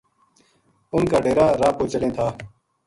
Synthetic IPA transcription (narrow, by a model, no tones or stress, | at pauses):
ʊnkaːɖeːɾaːɾaːpoːt͡ʃəlẽːt̪ʰaː